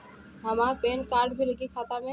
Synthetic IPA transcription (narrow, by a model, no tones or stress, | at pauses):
ɦəmaːɾpeːnkaːɾɖbʱiləɡikʰaːt̪amẽ